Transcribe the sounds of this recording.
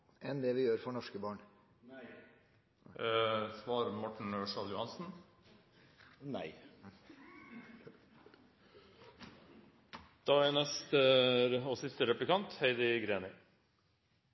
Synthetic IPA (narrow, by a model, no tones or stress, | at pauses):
ʔɛnd̪ɛːʋɪjøːɾfɔɳɔʂkəbɑːɳ | sʋɑːɾmɔʈɳ̩øːʂɑljʊhɑnsn̩ | næ̰ɪ | d̪̥ɑːænɛst̪əɔsɪst̪əɾɛplɪkɑnt̪heɪd̪əɡɾeːnə